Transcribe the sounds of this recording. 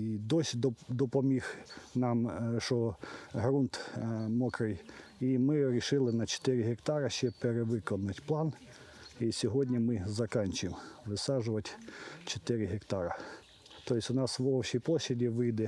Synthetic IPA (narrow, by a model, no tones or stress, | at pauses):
id̪ɔsʲd̪ɔd̪ɔpɔmʲixnɑmʃɔɦɾunt̪mɔkɾɪjimɪɾʲiʃɪlˠɪnɐt͡ʃe̥t̪ɪɾʲɪɦekt̪ɑɾɐʃt͡ʃɛpeɾeʋɪkɔnʊtʲplˠɑn | isʲɔɦɔdʲnʲimɪzɐkɑnʲt͡ʃʊmʋɪsɑʒʊʋɐtʲt͡ʃet̪ɪɾʲɪɦekt̪ɑɾɐ | t̪ɔjɪsʲʊnɑsʋɔwʃʲijplˠɔɕʲːɐdʲiʋɪjd̪ɛ